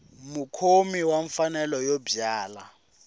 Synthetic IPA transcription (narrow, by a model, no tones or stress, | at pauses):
mukʰomiwaɱfanɛlɔjobjaːla